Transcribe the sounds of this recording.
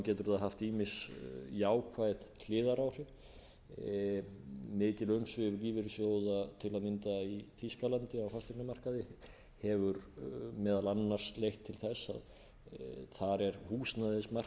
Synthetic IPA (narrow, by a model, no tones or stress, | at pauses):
cɛːt̪ʏɾaðɦaft̪iːmɪsjaːwkʰvajðlɪːðaɾawr̥ɪv | mɪːt̪ɪlœmsvɪvliːvɪɾɪsjoːwðat̪ʰɪlaðmɪnt̪aiθiskalant̪ɪawfast̪ɪknamar̥kaðɪ | hɛvʏɾmɛːðalanːaɾ̥slejht̪ʰːɪlθɛsːa̰ð | θaɾɛɾ̥huːsnaðɪsmar̥